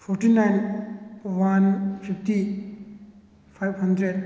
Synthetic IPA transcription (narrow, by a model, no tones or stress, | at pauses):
fɔɹʈinajn | wanfifti | fajvhãndɹed̚